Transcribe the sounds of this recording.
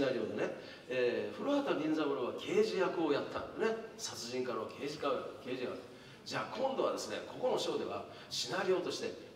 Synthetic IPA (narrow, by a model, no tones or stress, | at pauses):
naɾʲioːd̪ene | eɸɯ̟ɾoat̪aɾʲĩnzaβɯɾɯβakʲʰe̞ːʑijakɯojat̪ʰːa̰nd̪ne̞sat͡sɨʑĩŋkaɾaokʰe̞ːʑikaɯkeːʑijakɯ̥ | d͡ʑaːkʰõ̞nd̪o̞βa̰d̪e̞sɨne̞̰kʰo̞ko̞no̞ɕo̞ːd̪e̞βa̰ | ɕinaɾʲiont̪o̞ɕi̥t̪e̞